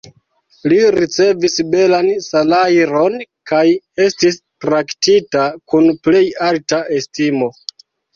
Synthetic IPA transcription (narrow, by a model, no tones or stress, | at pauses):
liɾit͡se̞visbe̞lansalajɾo̞nkaj | e̞stis | tɾaktitakunple̞jaltaʔe̞stimo̞